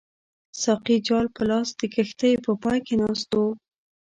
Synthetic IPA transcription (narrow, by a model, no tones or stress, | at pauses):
sɑqid͡ʒɑlpəlɑsd̪̥əkəxt̪əjpəpɑjkenɑst̪o